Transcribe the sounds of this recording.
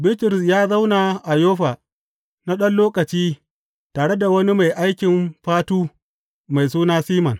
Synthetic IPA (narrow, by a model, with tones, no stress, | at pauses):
bɪ˦tɪ˨ɾɪ˨sjaː˦za˦wna˨ʔa˨joː˦ɸaː˨ | na˦ɗɐ˦nloː˦kɐ˨t͡ʃiː˦ | taː˨ɽe˦da˨wɐ˦ni˦ma˨jʔa˦jkʲɪ˨mɸaː˦tuː˦ | ma˨js̬uː˦naː˦siː˦mɐ˨n